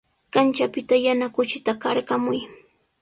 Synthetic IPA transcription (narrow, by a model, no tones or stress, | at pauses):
kant͡ʃapɪt̪ajanakʊt͡ʃɪt̪akaɾkamʊj